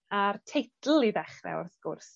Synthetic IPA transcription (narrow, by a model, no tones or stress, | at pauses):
artʰejtʰl̩ˠiðɛχrɛ̰ʊ̰rθɡ̥ʊrs